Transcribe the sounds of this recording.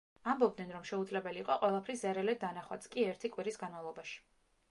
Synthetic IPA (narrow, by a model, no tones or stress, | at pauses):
ambɔb̚d̪nɛnɾɔmʃɛud̪zlɛbɛliːqʼɔqʼwɛlˠapʰɾiszɛɾɛlɛd̪̚ːanaχwa̰t̪skʼiɛɾt̪ʰikʼwiɾisɡanmavlˠɔbaʃi̥